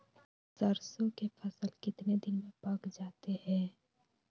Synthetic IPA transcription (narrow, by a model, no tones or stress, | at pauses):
sɐɾsõkefɐsəlkɪt̪ned̪ɪnmẽpaːkd͡ʒaːt̪ehɛ̃ː